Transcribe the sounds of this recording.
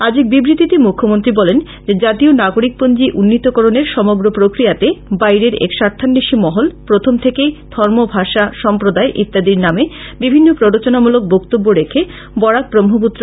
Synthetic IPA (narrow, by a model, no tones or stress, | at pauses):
ad͡ʑik̚bibɾit̪it̪emukʰːomont̪ɾibɔlen | d͡ʑed͡ʑat̪ionaɡoɾik̚pond͡ʑiʔunːit̪okɔɾoneɾʃɔmoɡɾopɾokɾijat̪ebajɾeɾḛkʃaɾt̪ʰːanːiʃimɔɦolpɾot̪ʰomt̪ʰekejd̪̥ʱɔɾmobʱaʃaʃɔmpɾod̪aeʔḭt̪ːad̪iɾnamebibʱinːopɾoɾot͡ɕonamulok̚bokt̪obːoɾekʰe | bɔɽak̚pɾomɦop̬ut̪ːɾo